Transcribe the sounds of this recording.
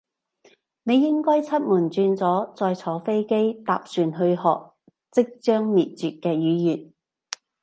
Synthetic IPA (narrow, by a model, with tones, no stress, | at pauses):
ne˨˧jːɪ˥ŋkɔː˥jt͡sʰɐ˥t̚muː˨˩nt͡ʃyː˧nt͡sɔː˨˥t͡sɔː˧jt͡sʰɔː˨˥fe˥jke˥jt̪a̰ː˨p̚syː˨nɦɵ˧ɥɦɔ̰ː˨k̚ | t͡sɪ˥k̚t͡ʃœː˥ŋmiː˨t̚t͡syː˨t̚kɛː˧jyː˨˥jyː˨˩t̚